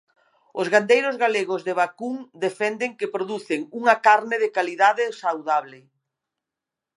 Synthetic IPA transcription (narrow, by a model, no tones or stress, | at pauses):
ʊzɣand̪ejɾʊzɣaleɣʊzðeβakuŋd̪efɛnd̪eŋkepɾoðuθeŋuŋɐkaɾnɪðɪkaliðaðɪsawðaβlɪ